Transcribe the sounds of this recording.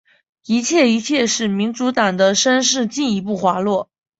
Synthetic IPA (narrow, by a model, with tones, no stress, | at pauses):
i˧˥t͡ɕʰjɛ˥˩i˧˥t͡ɕʰjɛ˥˧ʂɻ̩˥˩mi˧˥nt͡su˧˥t̪ɑ˨˩ŋd̪ə˦ʂə˥nʂɻ̩˥˧t͡ɕi˥˩ni˧˥pu˥˩xwa˧˥lwɔ˥˩